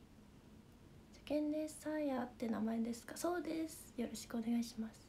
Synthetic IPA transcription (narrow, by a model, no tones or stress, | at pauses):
d͡ʑḁkẽ̞nd̪e̥sãɰ̃jat̪ːenamae̞d̪e̞sɨ̥kaso̞ːd̪e̞sɨ̥jo̞ɾo̞ɕi̥kɯ̟o̞ne̞ɡaiɕimasɨ̥